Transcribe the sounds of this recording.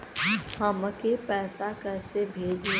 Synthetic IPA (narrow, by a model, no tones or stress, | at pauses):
həməkepɛːsakɐɾsebʱeːd͡ʒi